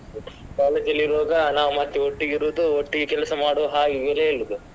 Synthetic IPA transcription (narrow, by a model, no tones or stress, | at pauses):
kaːleːd͡ʒɐlːiɾoːɡɐnaːʋumɐt̪ːeoʈːiɡiɾuːd̪uoʈːiɡekɛlɐsɐmaːɽoːɦaːɡiɡɐleːiɾud̪u